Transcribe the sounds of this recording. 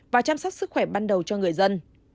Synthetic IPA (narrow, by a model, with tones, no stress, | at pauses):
vaː˨˩t͡ɕaː˧msɔ˦˥t̚sɨ˦˥k̚xwɛ˧˩ɓaː˧nɗə˨˩wt͡ɕɔ˧ŋɨ˨˩əjzə˧n